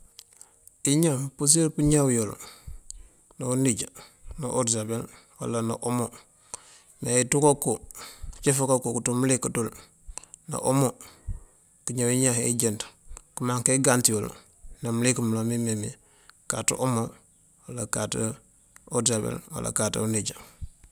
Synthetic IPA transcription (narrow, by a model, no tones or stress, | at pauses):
iɲapus̬elpuɲawjol | nauniɟanaʔoɾsabel | wa̰lana̰ʔomo | meitukokot͡ʃefakakokutumulekadul | na̰ʔomo | kiɲawiɲahḛd͡ʒentkmaŋkeɡantijol̰ | namulekmulomimemḭ | katṵʔomo | walakat | odsabḛlwa̰lʔa̰kata̰uniɟa